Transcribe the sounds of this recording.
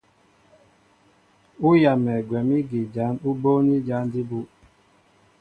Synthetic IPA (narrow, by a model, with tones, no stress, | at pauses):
u˦ja˨mɛ˨ɡwɛ˨mi˦ɡi˨d͡ʒa˨˦nu˦bo˦ni˦d͡ʒa˨˦ndi˦bu˦